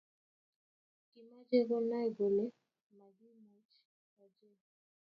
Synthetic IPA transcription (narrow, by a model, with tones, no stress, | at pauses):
kima˦d͡ʒeɡɔ˦na˦jɡo˨le | ma˨ɡi˦mat͡ʃ | ɔd͡ʒe˦